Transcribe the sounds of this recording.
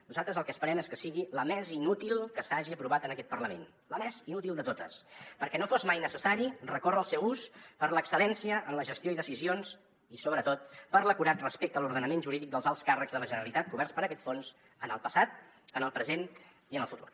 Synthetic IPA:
nuzalˠt̪ɾəzəlˠkəːspəɾɛmeskəsiɣiləmɛzinut̪ilˠkəsaʒiəpɾuβat̪ənəkɛt̪pərləmen | ləmɛzinut̪ilˠd̪ət̪ot̪ə̰spəɾkɛnofozmajnəsəsaɾirəkorəlˠsɛwuspəɾləksəlɛnsiəʔənləʒəst̪joiðəsizions | isoβɾət̪ot̪̚pəɾləkuɾat̪rəspekt̪əluɾðənəmenʒuɾiðik̚d̪əlˠzalˠskarəkɡzðələʒənəəlit̪at̪̚kuβɛrspəɾəkɛt̪fons | ənəlˠpəsat̪̚ | ənəlˠpɾəzen | iənəlˠfut̪ṵr

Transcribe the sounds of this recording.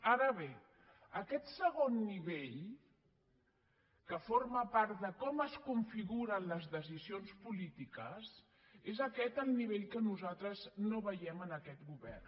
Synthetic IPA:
aɾəβe | əkɛt̪səɣ̞onːiβeʎ | kəforməpaɾt̪d̪əkɔməskuɱfiɣuɾənləzðəzizionspulit̪ikəz | ezəkɛt̪əlˠniβeʎkənuzat̪ɾəznoβəjɛmənəkɛt̪ɡuβɛ̰r

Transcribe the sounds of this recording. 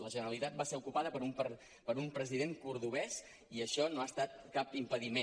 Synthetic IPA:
ləʒənəɾəlit̪at̪̚baseɾukupaðəpəɾump | pəɾumpɾəziðeŋkuɾðuβɛs | iəʃɔnoast̪at̪̚kapimpəðime

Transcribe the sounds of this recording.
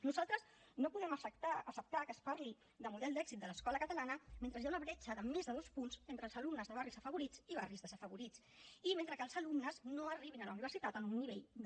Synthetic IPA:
nuzalˠt̪ɾəz | nopuðɛməsət̪aəsəp̚t̪akəspaɾli | d̪əmuðɛlˠd̪ɛɡz̥it̪̚d̪ələskɔləkət̪əlanəment̪ɾəzjaunəβɾɛt͡ʃəðəmezðəðospunzent̪ɾəːlˠzəlumnəzðəβ̞arizəfəβuɾit͡siβarizðəzəfəβuɾit͡s | iment̪ɾəkəlˠzəlumnəznoəriβinələuniβ̞əɾsit̪at̪ənunːiβ̞eʎ

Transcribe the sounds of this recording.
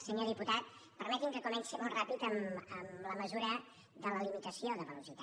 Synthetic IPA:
səɲoðiput̪at̪̚ | pəɾmɛt̪iŋkəkumɛnsimɔlˠt̪rapit̪əməmləməzuɾə | ðələlimit̪əsioðəβəlusit̪a

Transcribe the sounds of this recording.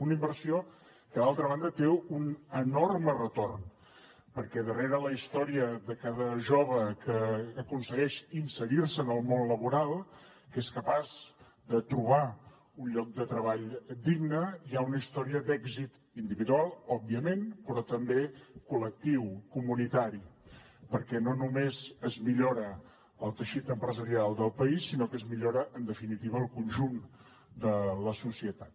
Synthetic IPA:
unimbərsio | kəðalˠt̪ɾəβand̪ət̪eunənormərət̪orn | pəɾkɛð̞əreɾələist̪ɔɾiəðəkaðəʒoβəkəːkunsəɣɛʃinsəɾirsəːnəlˠmonləβuɾalˠ | keskəpaz | d̪ət̪ɾuβ̞a | unʎɔk̚d̪ət̪ɾəβaʎd̪iɡnəiaunəist̪ɔɾiəd̪ɛɡzit̪ | ind̪iβiðualˠɔbːiəmenpɾɔt̪əmbekulək̚t̪iwkumunit̪aɾi | pəɾkɛnonumezəzmiʎoɾə | əlˠt̪əʃit̪əmpɾəzəɾialˠd̪əlˠpəisːinokəzmiʎoɾəʔənd̪əfinit̪iβəːlˠkunʲʒun | d̪ələsusiət̪at̪̚

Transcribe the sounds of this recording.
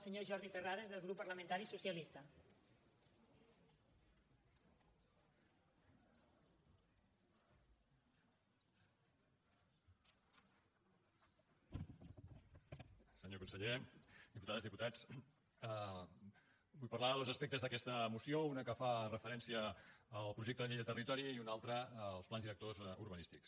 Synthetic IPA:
səɲoʒɔɾðit̪əraðezðəlˠɣɾupːəɾləmẽənt̪aɾisusiəlist̪ə | səɲokunsəʎed̪iput̪aðəzðiput̪at͡s | bujpɐrlaðəðozəspek̚t̪əzðəkɛst̪əmusiounəkəfarəfəɾɛnsiəːlˠpɾuʒek̚t̪əðəʎiʎət̪ərit̪ɔɾiːunalˠt̪ɾəlˠsplanzðiɾək̚t̪ozṵɾβənist̪iks

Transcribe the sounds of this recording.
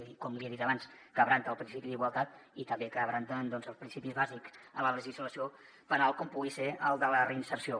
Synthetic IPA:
kɔmliəðit̪əβanskəβɾant̪əːlˠpɾinsipiðiɣwalˠt̪at̪it̪əmbekəːβɾant̪ənd̪ɔnzəlˠspɾinsipizβaziksələləʒizləsio | pənalˠkɔmpuɣiseəlˠd̪ələrəinsəɾsio

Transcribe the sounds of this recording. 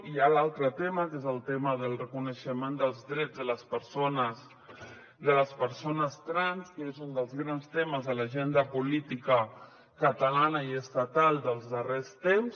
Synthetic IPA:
ialalˠt̪ɾət̪eməkezəlˠt̪eməðəlˠrəkunəʃəmend̪əlˠzðɾɛd͡zzðələspəɾsonəs | d̪ələspəɾsonəst̪ɾanskezund̪əlˠzɣɾanst̪eməzðəlaʒend̪əpulit̪ikə | kət̪əlanəiəst̪at̪alˠd̪əlˠzðərest̪ems

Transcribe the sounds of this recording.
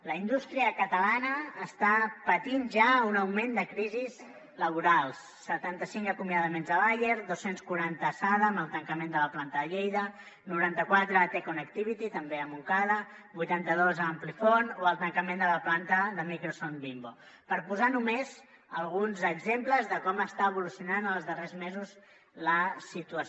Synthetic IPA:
ləind̪ust̪ɾiəkət̪əlanəːst̪apət̪inʒaunəwmend̪əkɾiziz | ləβ̞uɾalˠsːət̪ant̪əsiŋkəkumjəðəmenzəβajeɾðosenskuɾant̪əːsaðəːməlˠt̪əŋkəmend̪ələplant̪əðəʎejðə | nuɾant̪əkwat̪ɾət̪ekunəkt̪iβit̪it̪əmbeəmukaðə | bujt̪ant̪əðozamplifɔnoəlˠt̪əŋkəmend̪ələplant̪əðəmikɾosonbimbo | pəɾpuzanumez | əlˠɣ̞unzəɡzempləzðəkɔməst̪aəβulusiunanəlˠzðərezmezuz | ləsit̪uə

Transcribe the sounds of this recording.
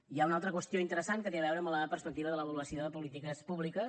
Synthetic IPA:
iaunalˠt̪ɾəkwəst̪ioint̪əɾəsankət̪eβɛwɾəːmləpəɾspək̚t̪iβəðələβəluəsioðəpulit̪ikəspuβlikə

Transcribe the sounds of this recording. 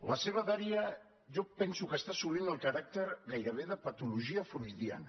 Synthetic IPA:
ləseβ̞əðaɾia | ʒɔpɛnsukəst̪asuβinəlˠkaɾak̚t̪eɾɣajɾəβ̞eðəpat̪uluʒiafɾujðia̰n

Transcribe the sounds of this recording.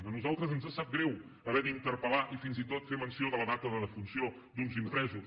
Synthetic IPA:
ənuzalˠt̪ɾəzənzasat̪̚ɡɾɛw | əβɛðint̪əɾpəlaʔifinzit̪ot̪femənsioðələðat̪əðəðəfunsio | d̪unzimpɾɛzus

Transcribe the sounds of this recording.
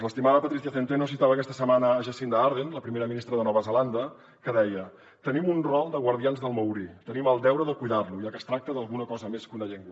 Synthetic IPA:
ləst̪imaɾəpət̪ɾisθiaθent̪ɾenosit̪aβəkɛst̪əsəmanəːʒəsind̪əaɾðenləpɾimeɾəminist̪ɾəðənɔβəzəland̪ə | kəðɛjə | t̪ənimunrɔlˠd̪əɣwəɾðianzðəlˠməwɾit̪əniməlˠd̪ɛwɾəðəkujðarluiakəst̪ɾak̚t̪əðəlˠɣunəkɔzəmeskunəʎɛŋɡwə

